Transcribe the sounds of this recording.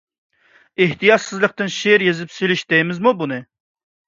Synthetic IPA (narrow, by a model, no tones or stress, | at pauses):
eht̪ijɑt̪sɨzlˠəq̚t̪ɨnʃeɾjezɪpselɪʃd̪ɛjmɪzmubunɨ